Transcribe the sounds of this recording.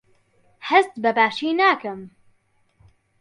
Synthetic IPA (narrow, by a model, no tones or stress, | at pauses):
hɛst̪bɛbaːʃiːnaːkɨm